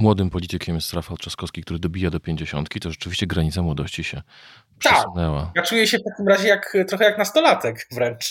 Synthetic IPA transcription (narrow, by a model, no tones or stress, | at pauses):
mwɔd̪ɘmpɔlʲit͡ɕɛkʰʲɛmʲjst̪ɾafat̪̚t͡ʂaskɔskʲikt̪uɾɘd̪ɔbʲijad̪ɔpʲjeɲd͡ʑeɕɔ̰nt̪kʲit̪ɔʐɛt͡ʂɘvʲiɕt͡ɕɛɡɾaɲit̪samwɔd̪ɔɕt͡ɕiɕɛ | pʂaɛskunɛwajat͡ʂujɛɕɛft̪akʲimɾaʑɛjakt̪ɾɔxɛjaknast̪ɔlat̪ɛkvɾɛnt͡ʂ